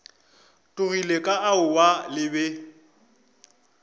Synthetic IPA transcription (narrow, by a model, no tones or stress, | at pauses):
tʼʊrilekʼaaʊwalɪbɛ